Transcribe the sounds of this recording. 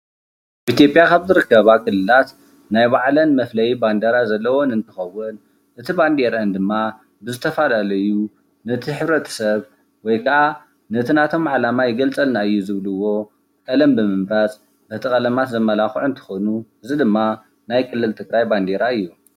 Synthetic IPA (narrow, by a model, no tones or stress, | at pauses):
ʔaβʔit̪jo̞pʼjakʰaβzɨɾɨkːɐβakʰʼɨlːɨlat̪ | najβaʕlɐnmɐflɐjiband̪ɐɾazɐlːɐwo̞nɨnt̪ʰɨ̥xɐwːɨn | ʔɨt̪ʰiband̪eɾɐnd̪ɨmːa | bɨzɨt̪ʰɐfalalɐju | nɐt̪ʰiħɨβɾɐt̪ʰɐ̥sɐβ | wɔjkʰɐʔa | nɨt̪ʰɨnat̪ʰo̞mʕalamajɪɡɐlt͡sʼɐlnaɨjːuzɨβlɨwːo̞ | kʼɐlɐmbɨmɨmɾat͡sʼ | nɨt̪ʰɨxʼɐlɐmat̪zɐmːɐlaxʕuɨnt̪ʰɨ̥xonuɨzid̪ɨmːa | najkʰɨlːɨlt̪ʰɨɡɾajband̪eɾaɨjːu